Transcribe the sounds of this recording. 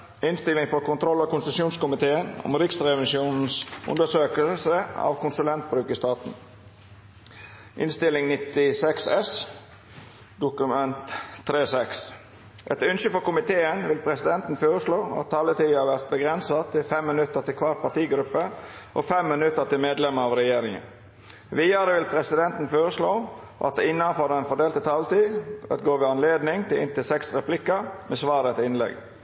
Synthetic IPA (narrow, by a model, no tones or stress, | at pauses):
ɪnst̪ɪlɪŋfɔɾkʰʊnt̪ʰɾɔlːɑkʊnst̪sjuːnskʊmɪt̪ʰeːənɔ̰mɾɪksɾɛʋɪsjuːnn̩sʔʊ̰nd̪əʂøːkəlsəɑ̰ʋkʰʊnsʉlɛnt̪̚bɾʉːkɪst̪ɑːt̪n̩ | ʔɪ̰nst̪ɪlɪŋnɪt̪ɪsɛksɛs | d̪ʊkʉmɛnt̪ʰːɾeːsɛks | ʔɛt̪ʉnʃəfɔɾkʊmɪt̪ʰeːənʋɪlpʰɾɛsɪd̪ɛnt̪n̩foːɾəsloːɑ̰t̪ʰːɑlːət̪ʰiːhɑɾʋæɾt̪̚bəɡɾɛnsɑt̪ʰɪlfɛmːɪnʉt̪ːəɾt̪ɪlkʰʋɑʈ̪̚pʰɑʈ̪iːɡɾʉpːəʔo̰fɛmːɪnʉt̪ːət̪ɪlmeːd̪lɛməɾɑʋɾɛjeːɾɪŋə̰n | ʋiːəɾəʋɪlpʰɾɛsɪd̪ɛnt̪n̩føːɾəsloː | ʔɑ̰t̪̚d̪ɛɪnːɑnfɔɾɛnfɔɖeːlt̪ət̪ʰɑlt̪iːʋæ̰t̪ɡoːʋɪɑnleːd̪nɪŋt̪ʰɪlʔɪ̰nt̪ɪlsɛksɾɛplɪkːəɾmɛsʋɑːɾət̪ʰɪɪnlɛ̰ɡ